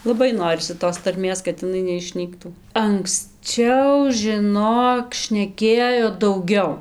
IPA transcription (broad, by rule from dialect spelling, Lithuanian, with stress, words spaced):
lˠɐˈbɐɪ ˈnoːrʲɪsʲɪ toːs tɐrʲˈmʲeːs kɐt ɪˈnɐɪ nʲɛɪʃʲˈnʲiːktuː ɐŋksʲˈt͡ʃʲɛʊ ʒʲɪˈnoːk ʃʲnʲɛˈkʲeːjoː dɐʊˈɡʲɛʊ